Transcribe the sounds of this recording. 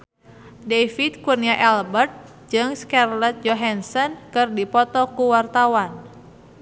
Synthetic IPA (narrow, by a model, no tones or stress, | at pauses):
defit̪̚kurniaʔɛlbərt̪̚ | d͡ʒɨŋskɛrlɛt̪̚d͡ʒɔɦɛnsɔnkɨrdipɔt̪ɔkuwart̪awan